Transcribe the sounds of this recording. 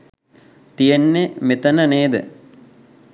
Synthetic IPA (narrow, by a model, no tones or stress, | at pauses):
t̪ijenːemet̪ɐnɐneːd̪ɨ̰